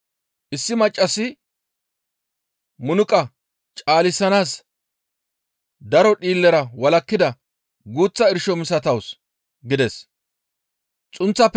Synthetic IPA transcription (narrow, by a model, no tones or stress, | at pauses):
ʔɪsːɪmɐt͡ʃʼːɐsɪ | mʊnʊkʼɐ | t͡ʃʼaːlɪsːɐnaːs | d̪ɐɾɔɗiːlːɛɾɐwɐlɐkːɪd̪ɐ | ɡuːt͡sːɐɪɾʃɔmɪsɐt̪ɐws | ɡɪd̪ɛs | t͡sʼʊnt͡sːɐpː